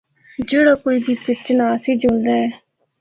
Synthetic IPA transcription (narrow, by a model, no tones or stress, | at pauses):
d͡ʒeːɽaːkoːiːbiːpɪt͡ʃnaːsiːd͡ʒõːnd̪aːɛː